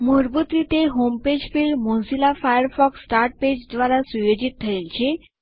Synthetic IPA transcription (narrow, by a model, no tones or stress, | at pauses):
muɾbut̪ɾit̪eɦomped͡ʑfilmonsilafajəɾfɔksːʈaɾʈ̚ped͡ʑd̪ʋaɾasujod͡ʑit̪̚t̪ʰəjaɲt͡ɕe